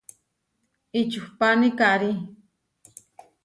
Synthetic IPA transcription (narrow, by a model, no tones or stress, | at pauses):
it͡ʃuhpanikaɾi